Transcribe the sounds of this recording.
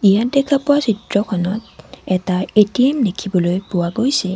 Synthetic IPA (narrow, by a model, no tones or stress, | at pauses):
ijatdɛkʰapʊwasitɹɔkʰɔnɔtɛtaetiemdekʰibɔlojpʊwaɡojsɛ